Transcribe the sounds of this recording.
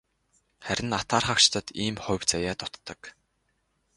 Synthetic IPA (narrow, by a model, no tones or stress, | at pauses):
χæɾʲɪ̆nat̪aːrχakt͡ɕt̪ə̆t̪iːmχʊ̟wt͡sajaːt̪ʊt̪ːə̆k